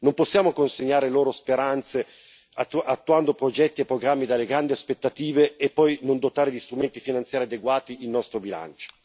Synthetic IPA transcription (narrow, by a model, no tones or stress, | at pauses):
nomposːjaːmokonseɲːaːɾeloːɾospeɾant̪se | at̪ːuand̪opɾod͡ʒɛt̪ːiepːɾoɡɾamːid̪alːeɡɾand̪iaspet̪ːat̪iːveːpːɔjnond̪ot̪aːɾed̪ist̪ɾument̪ifinant̪sjaːɾiad̪eɡwaːt̪iilnɔst̪ɾobila̰nt͡ʃo̥